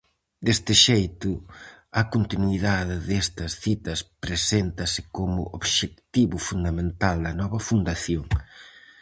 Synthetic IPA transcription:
d̪est̪ɪʃejt̪ʊ | ɐkont̪inwiðaðɪðɛst̪ɐsθit̪ɐspɾesent̪ɐsɪkomʊ̰ʔoβʃek̚t̪iβʊfund̪ɐmẽnt̪ald̪ɐnɔβɐfund̪aθjoŋ

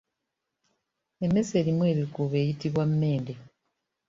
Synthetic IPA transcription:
emːe̞se̞ːlimwe̞ːɾikuβe̞ːjitiβwamːe̞ːnde

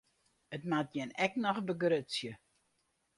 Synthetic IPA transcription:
ətmat̚jɪnɛknɔχbəɡɾøtsjə

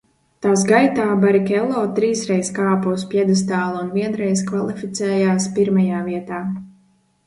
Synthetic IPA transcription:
t̪aːsɡajt̪aːbaɾikɛlˠɔːt̪ɾiːsɾɛjskaːpuuspʲjɛd̪as̬t̪aːlˠunviɛnɾɛjskvalˠifit̪sʲɛːjaːspiɾmajaːviɛt̪aː

